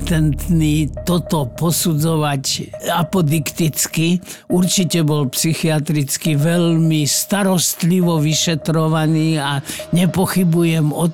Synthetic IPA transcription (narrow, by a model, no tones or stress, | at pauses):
t̪ɛnt̪niːt̪ɔt̪ɔpɔsud͡zɔʋacapɔd̪ikt̪it͡skiuɾt͡ʃicɛbɔlpsixiat̪ɾit͡skiʋɛlmist̪aɾɔst̪liʋɔʋiʃɛt̪ɾɔʋaniːaɲɛpɔxibujɛmɔ